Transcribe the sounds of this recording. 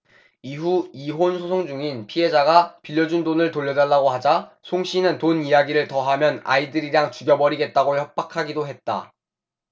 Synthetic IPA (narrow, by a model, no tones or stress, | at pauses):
iɦuiɦonsʰosʰoŋd͡ʑuŋinpʰiɦe̞d͡ʑaɡapiʎːʌd͡ʑundonɯɭtoʎːʌdaɭːaɡohad͡ʑasʰoŋɕʰinɯntonijaɡiɾɯɭtʌɦamjʌna̰idɯɾiɾaŋt͡ɕuɡjʌbʌɾiɡe̞t̚t͈aɡoçjʌp̚p͈akʰaɡidoɦe̞t̚t͈a̰